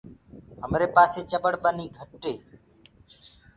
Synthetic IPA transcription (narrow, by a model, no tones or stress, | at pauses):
ɦəmɾeːpaːseːt͡ʃəbəɽbəniːɡʱəʈːeː